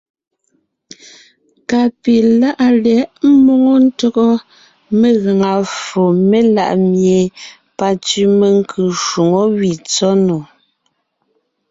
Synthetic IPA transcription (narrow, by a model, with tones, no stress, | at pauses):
ka˨pi˨la˦ʔa˨lɛ˨˦ʔm̩˦mo˦ŋo˦n̩˦tɔ˦ɣɔ˦ | me˨ɣa˨ŋa˨fo˨me˦la̰˦˨ʔmje˨ | pa˨t͡si˦me˨ŋ˦kʰʉ˨ʃu˨ŋo˦wi˨t͡sɔ˦nɔ˨